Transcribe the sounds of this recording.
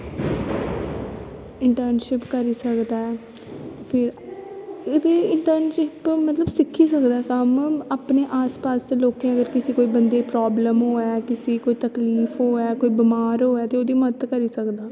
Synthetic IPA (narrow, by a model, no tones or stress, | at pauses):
ɪɳʈəɾnʃɪpkəɾiːsəkd̪aɛ | pʰɪɾ | eːd̪eːɪɳʈəɾnʃɪpmət̪ləbsɪkʰːiːsəkd̪aːkəmapneːʔaːspaːsd̪eːloːkẽːəɡəɾkɪsiːkoːiːbənd̪eːpɾaːbləmɦoːɛːkɪsiːkoːiːt̪əkliːfʰɦoːɛːkoːiːbɪmaːɾɦoːɛːt̪eːoːd̪iːmədət̪kəɾiːsəkd̪aː